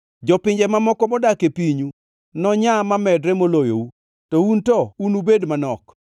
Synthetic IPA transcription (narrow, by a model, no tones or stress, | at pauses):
d͡ʒɔpɪɲd͡ʒɛmamɔkɔmɔdakepiɲu | nɔɲamamɛdɾɛmolojo̰u | tɔuntɔunubedmanɔk